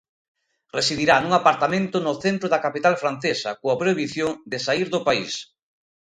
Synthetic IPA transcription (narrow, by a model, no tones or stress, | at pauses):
resiðiɾanũŋapaɾt̪amẽnt̪ʊnʊθent̪ɾʊðakapit̪alfɾan̟θesɐkoapɾoiβiθjoŋd̪ɪsaiɾðʊpais